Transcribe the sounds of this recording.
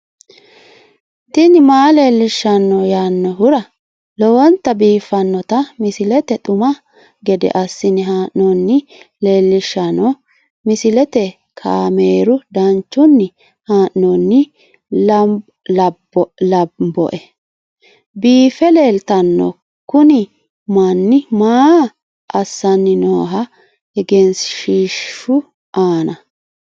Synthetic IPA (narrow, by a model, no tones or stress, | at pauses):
t̪ɪnɪmaːleːlːɪʃːɐnːɔjaːnːɔɦʊɾɐ | lɔwɔnt̪ːɐbiːfːɐnːɔt̪ɐmɪsɪlɛt̪ɛt̪ʼʊmɐ | ɡɛd̪ɛ̰ʔɐsːɪnɪɦaːʔɔnːɪle̞ːlːɪʃːɐnɔ | mɪsɪlɛt̪ɛ | kʰaːmeːɾʊd̪ɐnt͡ʃːʊnːɪ | haːʔnɔnːɪ | blɐbɔ̰ʔɛ | biːfɛle̞ːlt̪ɐnːɔ̰ | kʊnɪ | mɐnːɪmaː | ʔɐsːɐnːɪno̰ːɦɐ | ɛɡɛnsʃiːʃːʊ | ʔaːnɐ